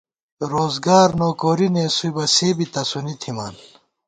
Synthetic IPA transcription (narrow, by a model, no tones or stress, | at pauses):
ɾoːzɡaːɾnoːkoːɾinẽːsujbɐseːbit̪ɐsunit̪ʰima̰ːn